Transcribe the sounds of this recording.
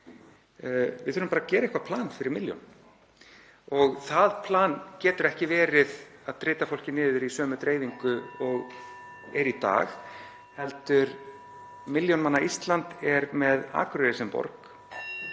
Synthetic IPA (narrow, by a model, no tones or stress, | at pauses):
vɪðθʏɾʏmpaɾacɛːɾaɪhkvapʰlaːnfɪɾɪɾmɪljɔ̰n | ɔɣθaðpʰlaːncɛːt̪ʏɾɛhcɪvɛːɾɪð | aðt̪ɾɪːt̪afowl̥cɪnːɪːðʏɾisœːmʏt̪ɾeːjviŋkʏɔɣ | ɛɾit̪a̰ːɣ | hɛlt̪ʏɾ | mɪljɔnmanːaist̪lant̪ɛɾmɛða̰ːkɾeɾɪsɛmpɔ̰ɾk